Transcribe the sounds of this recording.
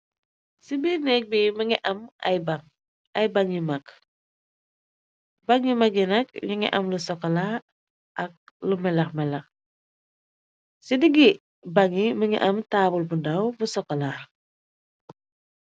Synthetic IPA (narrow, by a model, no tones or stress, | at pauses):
sibiːnɛːk̚bimɐŋiʔɐma̰jbaŋ | ɐjbaŋimak | baŋimaɡinɐkɲiŋḭʔɐmlusɔkɔlaɾ | ʔɐk̚lumɛlɐxmɛlɐx | sidiɡi | baŋimɐŋḭʔɐmtaːbulbundawbusɔkɔlaɾ